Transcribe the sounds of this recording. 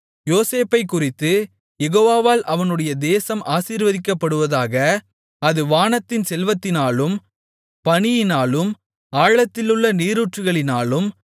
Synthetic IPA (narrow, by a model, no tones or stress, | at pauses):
joːseːpɐɪkːʊrɪt̪ːɯ | jɛɣoːʋaːʋaːlʔɐʋɐnɯɽɐjɐd̪eːsɐmʔaːsiːɾʋɐðɪkːɐpːɐɽɯʋɐðaːɣɐ | ɐðɯʋaːnɐt̪ːɪnsɛlʋɐt̪ːɪnaːlɯm | pɐɳɪjɪnaːlɯm | aːɭɐt̪ːɪlɯɭːɐniːɾɯʈrɯɣɐɭɪnaːlɯm